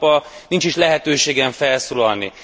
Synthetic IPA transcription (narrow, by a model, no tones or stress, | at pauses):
pɒnint͡ʃiʃlɛɦɛt̪øːʃeːɡɛɱfɛlsoːlɒlnḭ